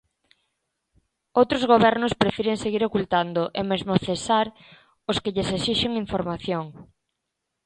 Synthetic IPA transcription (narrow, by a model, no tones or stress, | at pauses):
owt̪ɾozɣoβɛɾnʊspɾefiɾeŋseɣiɾokult̪and̪ʊʔemezmoθesaɾ | ʊskɪʎesesiʃeŋiɱfoɾmaθjoŋ